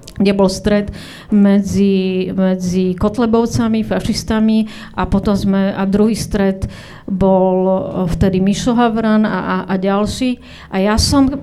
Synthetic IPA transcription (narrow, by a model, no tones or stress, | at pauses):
ɡɟɛbɔlst̪ɾɛt̪ | mɛd͡zimɛd͡zikɔt̪lɛbɔʊt͡samifaʃist̪ami | ʔapɔt̪ɔmzmɛad̪ɾuɦiːst̪ɾɛd̪ | bɔlft̪ɛd̪imiʃɔɦaʋɾana̰ʔaɟalʃiː | ʔajasɔm